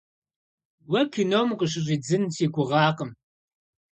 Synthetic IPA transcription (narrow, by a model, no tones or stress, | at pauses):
wɐkʰinowmqəɕ̬ɪɕʼiːd͡zɨnsiːɡʷʊʁɑːqəm